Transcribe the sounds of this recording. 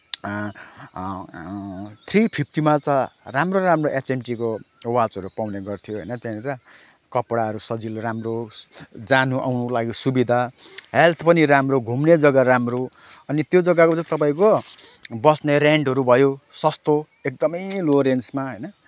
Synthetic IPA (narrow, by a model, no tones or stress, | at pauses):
t̪ʰripʰip̚ʰʈimat͡sʌ̃ramroɾamroʔet͡senʈikowad͡zɦʌɾupawneɡʌrt̪ʰijoɦʌ̰jnʌt̪jaeɾʌ | kʌpɽaʌɾusʌd͡zilramrod͡zanuʔa̰wnulaɡisubid̪ʱaɦelt̪ʰpʌniɾamroɡʱumned͡zʌɡaɾamro | ʌnit̪jod͡zʌɡakot͡sãt̪ʌpaĩko | bʌsneɾeɳɖɦʌɾubʱʌjosʌst̪o | ek̚d̪ʌmʌjloɾensmaɦʌjnʌ